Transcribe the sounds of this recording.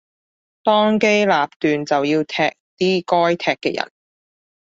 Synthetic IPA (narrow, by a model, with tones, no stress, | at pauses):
t̪ɔː˥ŋke˥jlaː˨p̚t̪yː˨nt͡sɐ˨wjiː˧wt̪ʰɛː˧k̚t̪iː˥kɔː˥jt̪ʰɛː˧kːɛː˧jɐ̰˨˩n